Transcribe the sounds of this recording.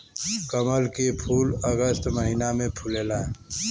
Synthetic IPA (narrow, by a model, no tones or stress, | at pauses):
kəməlkepʰuːləɡəst̪məɦinamẽpʰuleːla